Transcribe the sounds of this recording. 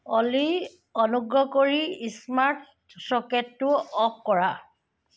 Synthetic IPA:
ɔli | ɔnuɡɹɔkoɹiismaɹt | sɔketːʊɔp̚kɔɹa

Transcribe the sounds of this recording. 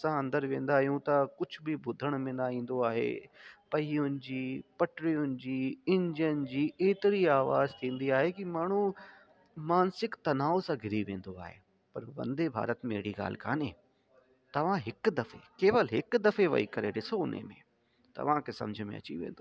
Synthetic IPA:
sãɐ̃nd̪əɾʋẽːnd̪aːɦijũt̪ɐkʊd͡ʑʱʊbɪbʱʊd̪ʱəɽ̃mẽːnaːĩːn̆d̪oaːɦḛpɐɦiːʊnɪ̆d͡ʑiːpɐʈɾiʊnɪ̆d͡ʑiːɪ̃ɲd͡ʑənd͡ʑiːeːt̪ɪɾiaːʋa̰ːzt̪ʰĩːn̆d̪iaːɦekimaːɳ̤u | maːnsɪkt̪ɐnaːosãɡʱɪɾiʋẽːn̆d̪oa̰ːɦḛː | pɐɾʋɐ̰̃nd̪ebʱa̰ːɾət̪meːɽiɡa̰ːl̤kʰa̰ːnẽː | t̪ɐʋ̤ãɦɪkd̪ɐfḛkeːʋəlɦɪkd̪ɐfeʋɐ̰ikɐɾḛɗɪsoʊn̤ḛmḛ̃ | t̪ɐ̰ʋ̤ãkʰeːsɐ̰md͡ʑʱʊmḛ̃ɐ̰t͡ɕḭʋḛ̃ːnd̪o

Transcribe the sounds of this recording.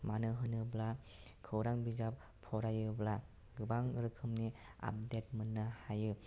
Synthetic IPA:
manɯɦɯnɯbla | kʰɯwɾaŋbizap | pʰːɔɾajɯbla | ɡɯbaŋɯɾɯkʰɯmni | a̰p̚det̚mɯnːɯhajɯ

